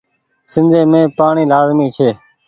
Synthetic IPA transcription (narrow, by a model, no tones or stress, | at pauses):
sɪ̃nd̪ʱeːmẽːpaːɳiːlaːzmiːt͡ʃʰeː